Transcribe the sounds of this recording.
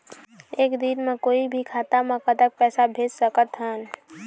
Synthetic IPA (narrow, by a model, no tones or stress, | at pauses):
eːkd̪inmẽkoːibʱikʰaːt̪amẽkəd̪ək̚pɛːsabʱeːd͡ʒsəkət̪ɦɛːn